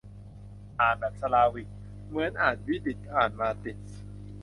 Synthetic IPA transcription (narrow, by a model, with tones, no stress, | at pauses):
ʔaː˨˩n̚ba˨˩t̪̚sa˧laː˧wi˨˩k̚ | mɯ˩˦ənʔaː˨˩t̪̚wi˦˥d̪i˨˩t̪̚pʰaː˨˩nmaː˧t̪i˨˩t̪̚